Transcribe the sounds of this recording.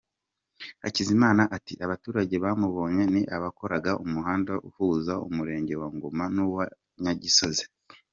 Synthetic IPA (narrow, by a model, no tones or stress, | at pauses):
a̰cizimaːnaʔatḭʔaβatuːɾaɟe̞βaːmuβo̞ːɲwe̞niʔaβako̞ɾaɡaʔumuhaːndaʔṵhuːzaṵmuɾe̞ːɲɟe̞waŋɡomanuwa | ɲaɟiso̞ze̥